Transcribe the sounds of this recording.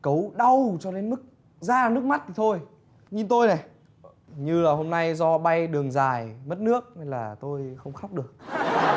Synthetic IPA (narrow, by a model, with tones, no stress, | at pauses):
kə˨˦wɗa˧wt͡ɕɔ˧ɗe˨˦nmɨ˦˥k̚ | zaː˧nɨ˦˥ək̚ma˦˥t̚t̪i˨˩t̪ʰo˧j | ɲi˧nt̪o˧jnaɛ˨˩ | ɲɨ˧laː˨˩ho˧mna˧jzɔ˧ɓa˧jɗɨ˨˩əŋzaː˨˩jmə˦˥t̚nɨ˦˥ək̚na˧jlaː˨˩t̪o˧jxə˧wŋ͡mxa˦˥wk͡p̚ɗɨ˨˩ək̚